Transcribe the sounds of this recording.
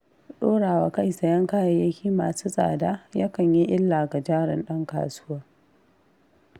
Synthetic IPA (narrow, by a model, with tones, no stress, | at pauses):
ɗoː˦ɽaː˨wa˨ka˦jsa˨jɐ˦ŋkaː˦ja˦jɐ˦kʲiː˦maː˨suː˦sʼa̰ː˨daː˦jaː˦kɐ˨ɲji˦ʔɪ˦lːa˨ɡa˨d͡ʒaː˦ɽɪ̰˨nɗɐ˦ŋka̰ː˨suː˦wa˦